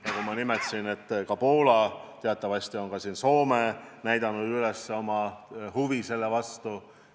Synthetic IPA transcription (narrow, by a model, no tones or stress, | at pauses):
jɑkumɑnimet̪sine̞t̪ːkɑpo̞ːlɑt̪eɑt̪ːˑɑvɑɕʲt̪io̞nkɑsiːnso̞ːmenæjd̪ɑnːud̪̥ylesːeo̞mɑhuvise̞lːevɑst̪u